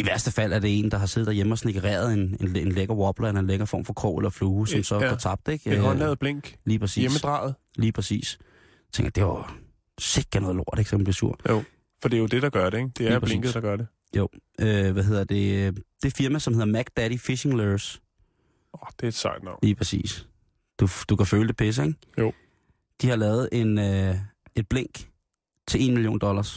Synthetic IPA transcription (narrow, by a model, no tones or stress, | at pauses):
iʋæɐsd̥əfæl̰æɐɾ̥e̝e̝̰ːnd̥ɑ̈ɦɑ̈se̝ð̩ˠd̥ɐjeməɒ̽sneɡ̥əʁɛ̰ːɐð̞ˠene̝nenleɡ̥ɐʁʋɒ̽b̥lɐennleɡɐfɒ̰ːmfɒ̽kʰʁɔ̰ːelɐfluːsɒ̽msɒ̽ɡ̥ɒt͡sʰɑ̈b̥̚d̥eɡ̥ɒnlɛːð̩ˠb̥leŋ̰ɡ̥liːpʰɛsḭeməd̥ʁɑ̰̈ːð̩ˠ | liːpʰʁɛsḭːs | t͡sʰeŋɡɐd̥e̝ʋɑ | se̝ɡ̥ænɔ̽ːðˠlo̝ɐ̰d̥e̝ɡ̥sɒmænb̥lisṵɐ̰̥o | fɒ̽d̥e̝jo̝d̥e̝ɾ̥ɑ̈ɡ̥ɶɐɾeɡd̥e̝æːpʰʁleŋɡəð̩ˠd̥ɑ̈ɡ̥ɶɐde | jo̰ʊʔøʋæɦe̝ð̰ˠɐd̥e̝ød̥e̝fiɐmæsɒ̽mhe̝ð̰ˠɐmæɡ̥d̥æɾ̥ifeʃe̝ŋløs | ɒd̥e̝ed̥sɑ̰d̥nɑʊ̰liːpʰʁɛsḭːs | d̥ud̥ukʰæføːləd̥e̝pʰes̬əeŋ | jo | d̥ihɑ̈lɛːʊð̞̩ˠe̝nøe̝d̥̚b̥leŋ̰ɡ̥ | t͡sʰe̝le̝ːnmilijo̰ːnd̥ɒ̽lɐs